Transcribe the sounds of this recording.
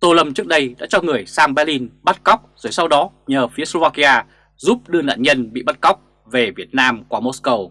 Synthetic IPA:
t̪o˧lə˧mt͡ɕɨ˦˥ək̚ɗə˧jɗa̰ː˧˥t͡ɕɔ˧ŋɨ˨˩əjsaː˧ŋɓaː˧li˧nɓa˦˥t̚ka˦˥wk͡p̚z̥o˨˩jsa˧wɗɔ˨˦ɲəː˨˩fi˨˦əslo˧vaː˧ki˧ʔaː˧ | zu˦˥p̚ɗɨ˧əna̰ː˧˨nɲə˧nɓḭ˧˨ɓa˦˥t̚ka˦˥wk͡p̚ | ve˨˩vi˨˩ət̚naː˧mkwaː˧˩mo˦˥skə˧w

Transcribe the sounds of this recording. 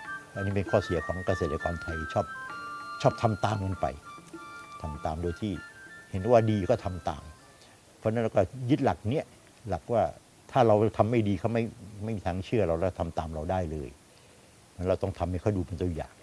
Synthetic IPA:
pʰɔ˥˧niː˥˩pe˧nkʰɔː˥˩si˨˩˦ɐkʰɔː˩˦ŋka˧seː˨˩t̪̚ːa˧kɔː˧nt̪ʰa˧jt͡ɕʰɔː˥˩p̚t͡ɕʰɔː˥˩p̚t̪ʰa˧mt̪aː˧mŋɤ˧npa̰˧j | t̪ʰa˧mt̪aː˧mdoː˧jt̪ʰiː˥˩he˩˦n˦waː˥˩diː˧kɔː˥˩t̪ʰa˧mt̪a̰ː˧m | pʰɔ˧˥˧n˦˥nɾa˧wkɔː˥˩jɯ˦˥t̪̚la˨˩k̚ni˦˥ɐ | la˨˩k̚waː˥˩ | t̪ʰaː˥˩ɾa˧wt̪ʰa˧mːa˥˩jdiː˧kʰa˥˩wma˥˩jma˥˩jmiː˧t̪ʰaː˧ŋt͡ɕʰɯ˥˩ɐɾa˧wlːkt̪ʰa˧mt̪aː˧mɾa˧wdaː˥˩jlɤː˧j | n˦˥nɾa˧wt̪ɔ˥˩ŋt̪ʰa˧mːa˥˩jkʰjduː˧pe˧nt̪u˧ja̰ː˨˩ŋ

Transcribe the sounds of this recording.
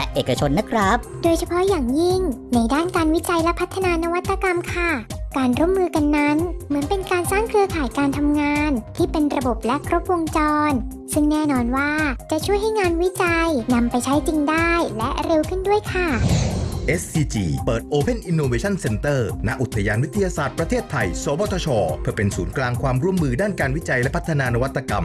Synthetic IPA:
lɛ̰˦˥ʔeː˨˩ka˧t͡ɕʰo˧nːa˦˥kʰɾa˦˥p̚doː˧jt͡ɕʰa˧pʰɔ˦˥jaː˨˩ŋji˥˩ŋna˧jdaː˥˩nkaː˧nwi˦˥t͡ɕa˧jlɛ˦˥pʰa˦˥t̪ʰːa˧naː˧na˦˥wa˦˥t̪ʰːa˧ka˧mkʰa˥˩kaː˧nɾu˥˩əmːɯː˧ka˧nːa˦˥nmɯ˩˦ənpe˧nkaː˧nsaː˥˩ŋkʰɯ˧əkʰaː˨˩jkaː˧nt̪ʰa˧mŋaː˧nt̪ʰiː˥˩pe˧nɾa˧bo˨˩p̚lɛ˦˥ʔkʰɾo˦˥p̚wo˧ŋt͡ɕɔː˧n | sɯ˥˩ŋnɛː˥˩nɔː˧nwaː˥˩t͡ɕa˨˩ʔt͡ɕʰu˥˩əjɦa˥˩jŋaː˧nwi˦˥t͡ɕa˧jna˧mpa˧jt͡ɕʰa˦˥jt͡ɕi˧ŋdaː˥˩jlɛ˦˥ʔɾe˧wkʰɯ˥˩ndu˥˩əjkʰa˥˩ʔe˦˥sːiː˧t͡ɕḭː˧pɤː˨˩t̪̚ʔoː˧pʰe˥˩nʔi˧nːoː˧weː˧t͡ɕʰa˥˩nse˧nt̪ɤː˥˩na˦˥ʔu˨˩t̪ʰːa˧jaː˧nwi˦˥t̪ʰːa˧jaː˧saː˨˩t̪̚pɾa˧t̪ʰeː˥˩t̪ʰːa˧jsɔː˩˦bɔː˧t̪ʰɔ˧t͡ɕʰɔː˧pʰɯ˥˩pe˧nsuː˩˦nklaː˧ŋkʰwaː˧mɾu˥˩əmːɯː˧daː˥˩nkaː˧nwi˦˥t͡ɕa˧jlɛ˦˥pʰa˦˥t̪ʰːa˧naː˧na˦˥wa˦˥t̪ʰːa˧ka˧m

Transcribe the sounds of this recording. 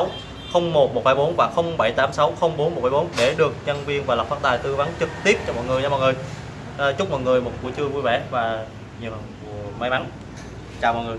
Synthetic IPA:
w | xə˧wŋ͡mmo˨˩t̚mo˨˩t̚ɓaː˧jɓo˨˦nvaː˨˩xə˧wŋ͡mɓa˧˩jt̪aː˨˦msa˨˦wxə˧wŋ͡mɓo˨˦nmo˨˩t̚ɓaː˧˦jɓo˨˦nɗe˧˩ɗɨ˨˩ək̚ɲə˧nvi˧ənvaː˨˩lə˨˩p̚faː˦˥t̚t̪aː˨˩jt̪ɨ˧əva˨˦ŋt͡ɕɨ˨˩k̚t̪i˦˥əp̚t͡ɕɔ˧mɔ̰˧˨jŋɨ˨˩əja˨˧˦mɔ̰˧˨jŋɨ˨˩j | t͡ɕʊ˦˥k͡p̚mɔ̰˧˨jŋɨ˨˩əjmo˨˩t̚kṵ˧˥ət͡ɕɨ˧əvu˧jvɛ˧˩˦vaː˨˩ | ɲi˨˩əwhə˨˩nku˧˩əma˨˦jma˨˦n | t͡ɕaː˨˩mɔ̰˧˨jŋɨ˨˩əj

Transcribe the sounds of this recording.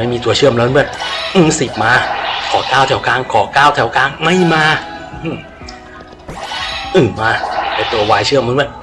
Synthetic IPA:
a˥˩jmiː˧t̪u˧t͡ɕʰɯ˥˩əmlbɛː˧˨˩p̚ʔɯː˧˩si˨˩p̚maː˧kʰɔː˨˩˦kaː˥˩wt̪ʰɛ˩˦wkaː˧ŋkʰɔː˩˦kaː˥˩wt̪ʰɛ˨˩˦wkaː˧ŋma˥˩jmaː˧˩ʔɯː˧˩ | ʔɯː˨˧˩maː˧˩pa˧˩jt̪u˧ɐwaː˧jt͡ɕʰɯ˥˩əmːa˧˥nbɛ˨˩p̚

